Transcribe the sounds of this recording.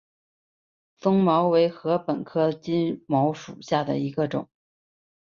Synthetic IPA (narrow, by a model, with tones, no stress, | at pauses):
fɤ˥ŋmɑ˧˥ʊwe˧˥ɪxɤ˧˥pə˨˩nkʰɤ˥t͡ɕi˥nmɑ˧˥ʊʂṵ˨˩ɕja˥˩d̪ə̰˩i˧˥ɡə˧ʈ͡ʂʊ̰˨˩˦ŋ